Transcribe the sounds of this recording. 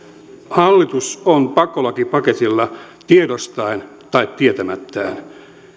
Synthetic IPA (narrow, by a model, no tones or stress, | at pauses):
hɑlːit̪usonpɑkːˑolɑkipɑket̪ilːɑ | t̪iedost̪ɑin | t̪ɑit̪tiet̪æmæt̪ːæːn